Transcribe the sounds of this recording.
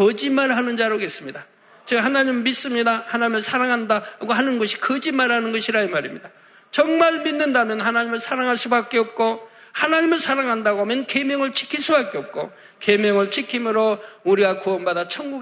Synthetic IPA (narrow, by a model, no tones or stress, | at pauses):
kʌd͡ʑimaɭɦanɯnd͡ʑaɾoɡe̞s͈ɯmɲida | t͡ɕeɡhanaɲimmis͈ɯmɲidahanaɲimɯɭsʰaɾaŋɦandaɡoɦanɯnɡʌɕʰi̥kʌd͡ʑimaɭɦanɯnɡʌɕʰiɾaɯmaɾimɲida | t͡ɕʌŋmaɭminːɯndamjʌnhanaɲimɯɭsʰaɾaŋɦaɭs͈ubak͈e̞ʌp̚k͈o | hanaɲimɯɭsʰaɾaŋɦandaɡomjʌnke̞mjʌŋɯɭt͡ɕʰi̥kʰis͈ubak͈eʌp̚k͈o | ke̞mjʌŋɯɭt͡ɕʰikʰimɯɾouɾiɡakuʌnbadat͡ɕʰʌŋɡu